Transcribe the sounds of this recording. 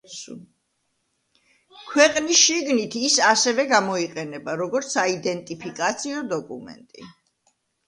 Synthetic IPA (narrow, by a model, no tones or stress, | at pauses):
kʰwɛqʼnisʃiɡnit̪ʰisasɛvɛɡamɔiqʼɛnɛbaɾɔɡɔɾt̪sʰaid̪ɛnt̪ʼipʰikʼat̪sʰiɔd̪ɔkʼṵmɛ̰nt̪ʼḭ